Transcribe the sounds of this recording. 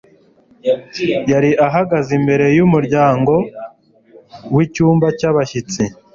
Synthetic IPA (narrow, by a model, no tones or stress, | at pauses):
jaɾiʔaɦaɡazimbe̞ɾe̞jumuɾɟaːŋɡo̞ | wicuːmbacaβaʃit͡si